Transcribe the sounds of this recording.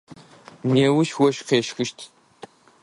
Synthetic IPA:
neːwʊʃwɔʃqeːʃxɨʃtʰ

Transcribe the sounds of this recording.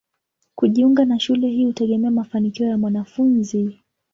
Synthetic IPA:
kuʄiuŋɡanaʃulɛɦiːhutɛɠɛmɛamafanikiɔjamwanafunzi

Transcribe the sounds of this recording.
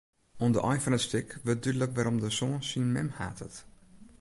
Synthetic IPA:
ondəʔɔjfɔnətstɪkʋøt̚dydləkʋɛɾɔmdəsoːnsinmɛmha̰ːtʰət

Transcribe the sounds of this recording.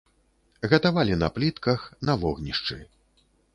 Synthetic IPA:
ɣɐt̪avalʲinɐ̰plʲit̪kɐxnɐvɔɣnʲiʂt͡ʂɨ̰

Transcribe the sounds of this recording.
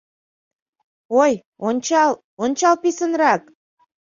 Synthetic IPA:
oj | onʲt͡ɕɑlˠ | onʲt͡ɕɑlˠpisənrɑk

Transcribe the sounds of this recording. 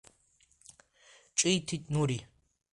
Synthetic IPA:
t͡ʃʼijt̪ʰitʼnuɾi

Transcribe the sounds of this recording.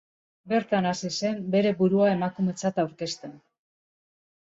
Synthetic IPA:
be̞ɾt̪anasise̞mbe̞ɾe̞buɾuaemakume̞t͡sat̪awɾke̞st̪e̞n

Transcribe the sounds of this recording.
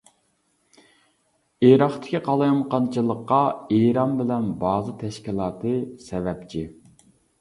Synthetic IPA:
eɾɑχt̪ʰɪ̥kʲiqʰɑlˠɨjmqɑnt͡ʃʰɨlˠəqːɑeɾɑmbɪlɛnbɑːzɨt̪ʰɛʃkʲilˠɑːt̪ʰɨsɛvɛpt͡ʃʰi

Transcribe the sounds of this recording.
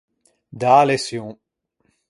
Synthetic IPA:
d̪alesjõ

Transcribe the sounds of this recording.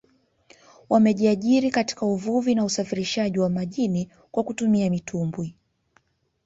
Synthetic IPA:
wamɛʄiaʄiɾikati̥kauvuvinausafiɾiʃaʄiwamaʄini | kwakutumiamitʰumbwi

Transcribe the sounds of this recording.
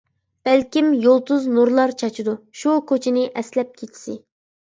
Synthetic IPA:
b̥ɛlkʲimjolˠt̪uznuɾlˠɑɾt͡ʃʰɑt͡ʃʰud̪uʃukʰʲøt͡ʃʰɪnɪʔɛslɛp̚kʲʰet͡ʃʰi̥sɪ

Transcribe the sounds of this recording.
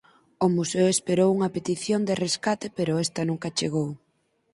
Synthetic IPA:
ʊmuseʊespeɾowuŋɐpet̪iθjond̪ereskat̪epeɾʊɛst̪ɐnũŋkat͡ʃeɣ̞ow

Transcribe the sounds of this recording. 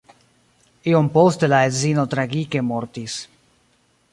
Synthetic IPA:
iompost̪elaezinot̪ɾaɡikemoɾt̪is

